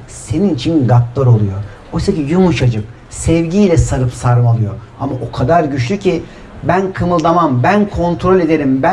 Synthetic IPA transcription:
se̞ninit͡ʃʰinɡak̚lˠaɾo̞lˠujo̞ | ojsacijumuʃad͡ʒɯp | sɛvɟijlʲɛsaɾɯpsaɾɯmalˠɯjo̞ | amaʔokʰad̪aɾɟyt͡ʃlʲycʰi | bænkʰɯmɯlˠd̪amambænkʰo̞nt̪ʰɾo̞lʲe̞d̪eɾimbæ

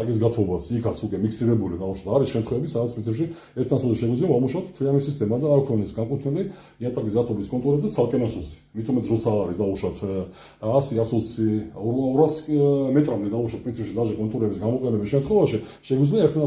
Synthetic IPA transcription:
t̪ʼakʼis̬ɡat̪ʰɔbasikʰat̪sʰukʼɛmikʰsiɾɛbulid̪auʃwat̪ʰaɾisʃɛmt̪χwɛvɛbisad̪at̪spɾinsʰipʃi | ɛɾt̪ʰnasulˠsiʃɛɡwizliavamuʃat̪ʰt̪ʰɾiamisist̪ʼɛmad̪aːɾkʰɔnɛsɡakʼut̪ʰnili | iant̪ʼakʼis̬ɡat̪ʰɔbiskʼɔnt̪ʼuɾɛbzd̪at̪sʰalˠkʼɛnasulˠsi̥mit̪ʰumɛt̪ʰɛsɾɔt̪sʰaːɾisd̪auʃat̪ʰː | siasusiɔɔɾasmɛt̪ʼɾamd̪ɛd̪auʃat̪̚pʼɾinsʰipʃid̪aʒakʼɔnt̪ʼuɾɛbisɡamɔqʼɛnɛbisʃɛmt̪ʰχwɛvaʃi | ʃɛɡidzliaɛɾt̪ʰna

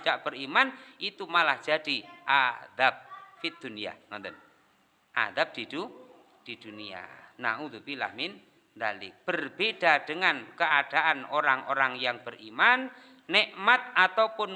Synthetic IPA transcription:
daʔb̥əɾimanʔit̪umalahd̥d͡ʒ̥ad̥iʔad̪ab̚fid̪̥unia̰nɔnt̪ən | ʔa̰d̪ab̚d̪̥id̪̥u | d̪̥id̪̥unia̰na̰ut̪ubila̰hmɪn | nd̪alɪ̰k̚b̥ərb̥eɖ̥aɖ̥əŋankəad̥aʔanoɾaŋʔo̰ɾaŋjaŋb̥ərimanː | ɛʔmat̪̚ʔat̪apʊn

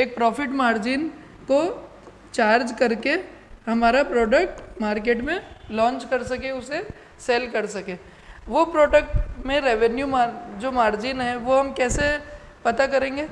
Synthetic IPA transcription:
eːk̚pɾɔːfɪʈmaːɾd͡ʒɪn | ko | t͡ʃaːɾd͡ʒkɐɾkehɐmaːɾapɾɔːɖək̚ʈmaːɾk̬eːʈmẽlɔ̃ːnt͡ʃkɐɾsɐkeʊse | seːlkɐɾsɐkeː | ʋopɾɔːɖək̚ʈmẽɾeːʋɛnjumad͡ʒoːmaːɾd͡ʒɪnɦɛʋoɦɐmkɛːse | pɐt̪akɐɾẽːŋɡeː

